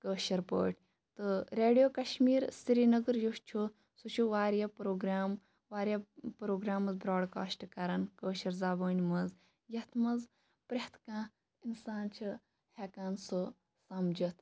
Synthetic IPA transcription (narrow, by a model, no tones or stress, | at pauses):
kəːʃɐɾpə̰ːʈʰʲ | t̪ɨɾeːɖijoːkɐʃmiːɾst̪iɾinɐɡəɾjust͡ʃʰu | sut͡ʃʰuʋaːɾjapɾoːɡɾaːm | ʋaːɾjapɾoːɡɾaːmɐzbɾaːɖka̰ːsʈkɐɾɐnkəːʃɐɾzaːbəːnʲmɐz | jɐt̪ʰmɐz | pɾɐht̪ʰkãː | insaːnt͡ʃʰɨ | hekaːnso | sɐmd͡ʒɐt̪ʰ